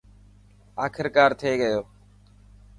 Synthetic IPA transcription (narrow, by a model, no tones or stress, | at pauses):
aːkʰɪɾkaːɾt̪ʰeːɠəjoː